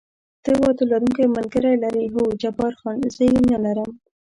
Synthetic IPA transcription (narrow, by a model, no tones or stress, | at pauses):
t̪əwɑt̪olaɾuŋkajmalɡəɾajlaɾiɦod͡ʒabɑɾxɑnzəjenalaɾəm